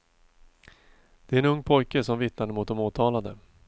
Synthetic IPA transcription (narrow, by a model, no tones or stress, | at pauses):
d̪̥ɛæɾɛnɵŋːpʰɔjkəsɔmvɪt̪nad̪əmʊt̪̚d̪ɔmuːt̪ʰɑːlad̪ə